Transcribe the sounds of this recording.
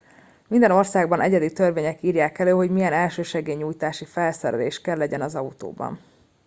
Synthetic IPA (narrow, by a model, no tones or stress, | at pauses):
mind̪ɛno̞rsaːɡbɒnʔɛɟɛd̪it̪ørveːɲɛkiːrjaːkɛløːɦo̞ɟmijɛnɛlʃøːʃɛɡeːɲːuːjt̪aːʃifɛlsɛɾɛ̰leːʃkɛlːɛɟɛnɒzɒut̪o̰ːbɒ̰n